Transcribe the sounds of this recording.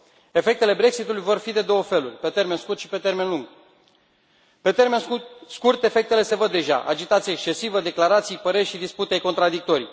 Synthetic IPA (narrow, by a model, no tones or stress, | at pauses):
e̞fe̞k̚t̪e̞le̞bɾe̞ksit̪ulujvo̞rfid̪e̞d̪o̞wəfe̞lurʲpe̞t̪e̞rmenskurt̪ʃi̥pe̞t̪e̞rme̞nluŋɡ | pe̞t̪erme̞nskurt̪e̞fe̞k̚t̪e̞le̞se̞vəd̪ːe̞ʒa̰ʔa̰d͡ʒit̪at̪sijaekst͡ʃe̞sivəd̪e̞klaɾat̪sijpəɾe̞rʲʃid̪isput̪eejko̞nt̪ɾad̪ik̚t̪o̞ɾij